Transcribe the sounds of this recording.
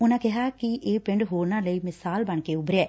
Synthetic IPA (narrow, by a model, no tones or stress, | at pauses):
ʊnãːkɪɦaːkɪʔeːpɪ̃ɳɖɦoːɾnãːləiːmɪsaːlbəɳkeːʊbɾeɛː